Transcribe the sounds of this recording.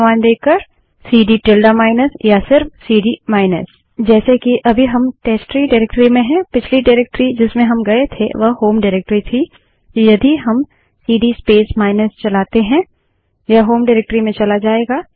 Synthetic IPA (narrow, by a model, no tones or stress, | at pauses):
maːnd̪eːkːəɾ | siːɖiʈɪlɖamaːɪnəsjasɪɾfsiːɖimaːɪnə̰s | d͡ʒɛːsekiʔɐbʱiɦɐmʈɛːsʈɾiɖaɾeːk̚ʈəɾimẽɦɛ̃pɪt͡ʃʰliɖaɾeːk̚ʈɾid͡ʒɪsmẽɦɐmɡɐet̪ʰḛʋɐɦhoːmɖɪɾeːk̚ʈɾit̪ʰi | jɐd̪iɦɐm | siːɖispeːsmaːɪnəst͡ʃɐlaːt̪eɦɛ̃ | jaɦoːmɖɪːɾeːk̚ʈɾimẽt͡ʃɐlad͡ʒaːeːɡaː